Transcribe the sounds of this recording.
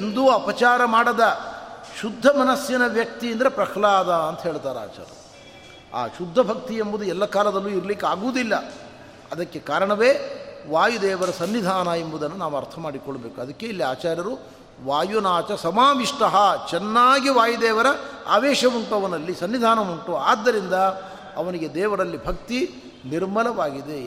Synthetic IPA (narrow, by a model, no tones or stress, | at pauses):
end̪uɐpɐt͡ʃaːɾɐmaːɽɐd̪ɐʃud̪ʱːɐmɐnɐsjɐnɐʋjɐk̚t̪iɐnd̪ɐɾepɾɐkʰlaːd̪ɐɐnt̪ɐɦeːɭt̪aːɾea̰ːt͡ʃa̰ːɾɐ̰u | a̰ːʃud̪ʱːɐbʱɐk̚t̪iembud̪uɛlːɐkaːlɐd̪ɐlːuiɾlikeaːɡuːd̪ilːɐ | ɐd̪ɐkːe̞kaːɾɐɳɐʋeːʋaːjud̪ɛːʋɐɾɐsɐnːid̪ʱaːnɐembud̪ɐnːunaːʋuɐɾt̪ʰɐmaːɽikɔɭːɐbeːkuɐd̪ɐkːe̞ilːiaːt͡ʃaːɾjɐɾu | ʋaːjunaːt͡ʃɐsɐmaːʋiʂʈɐɦɐt͡ʃɛnːaːɡiʋaːjud̪ɛːʋɐɾɐa̰ːʋɛːʃɐmuɳʈuɐʋɐnɐlːisɐnːid̪ʱaːnɐmuɳʈuaːd̪ːɐɾind̪ɐ | ɐʋɐniɡe̞d̪ɛːʋɐɾɐlːibʱɐk̚t̪i | niɾmɐlɐʋaːɡid̪e